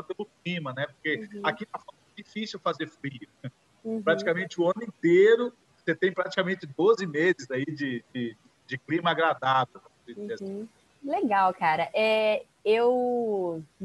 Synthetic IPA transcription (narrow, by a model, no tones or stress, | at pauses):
ɐpẽlʊklĩmɐnɛpoɾkeakit̪afo | d͡ʒifisiwfazeɾfɾiʊ | pɾat͡ʃi̥kamẽnt͡ʃɪʊɐ̃nʊĩt̪eɾʊ | set̪ẽj̃pɾat͡ʃi̥kamẽnt͡ʃɪd̪ozɪmezɪzaid͡ʒɪd͡ʒɪ | d͡ʒɪklĩmɐaɡɾad̪avewpɐ̃sed͡ʒizeasĩ | leɡawkaɾɐʔɛ | ew